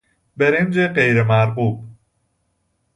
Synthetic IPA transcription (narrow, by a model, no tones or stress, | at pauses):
beɾend͡ʒeɢejɾemæɾɢuːb̥̚